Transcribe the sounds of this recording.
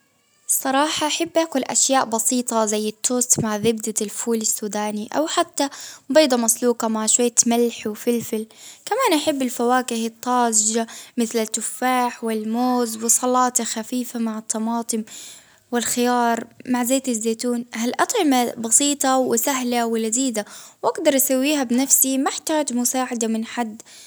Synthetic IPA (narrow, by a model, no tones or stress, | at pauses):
sˤɑɾˤɑːħɑʔaħabːʔaːkʊlʔa̰ʃjaːʔbɑsiːt̪ˤɑzajːɪt̪ʰːoːst̪maʕðɪbd̪alfuːlɪsːuːd̪aːniʔa̰wħat̪ːabɑːd̪ˤɑmasluːqɑmaʕʃwajːt̪malħwfɪlfɪlkamaːnʔaħɪbːɪlfawaːkɪhɪt̪ˤːɑːzd͡ʒamɪθlɪt̪ːʊfːaːħwɪlmoːzwɪsˤɑlɑːt̪ɑxafiːfamaʕɪt̪ʰˤːɑmɑːt̪ˤɨm | wɪlxɪjɑːɾˤmaʕzeːt̪ɪzːeːt̪uːnhalʔɑt̪ˤʕɪmabɑsˤiːt̪ˤɑwɪsaɦlawɪlad̪iːd̪awʔaɡd̪ɑɾˤʔasawːiːɦabnafsimaʔɪħt̪aːd͡ʒmʊsaːʕad̪amɪnħad̪ː